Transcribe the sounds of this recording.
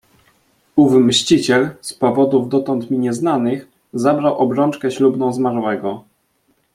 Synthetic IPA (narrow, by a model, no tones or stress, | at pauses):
uvmɕt͡ɕit͡ɕɛlspɔvɔd̪uvd̪ɔt̪ɔnt̪mʲiɲɛznanɘx | zabɾawʔɔbɾɔnt͡ʂkɛɕlubnɔ̃w̃zmaɾwɛɡɔ